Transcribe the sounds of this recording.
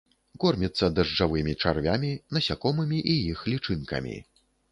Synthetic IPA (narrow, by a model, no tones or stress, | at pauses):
kɔrmʲit̪sːɐd̪ɐʐd͡ʐavɨmʲit͡ʂarvʲamʲinɐsʲakɔmɨmʲiʔijixlʲit͡ʂɨnkɐ̰mʲḭ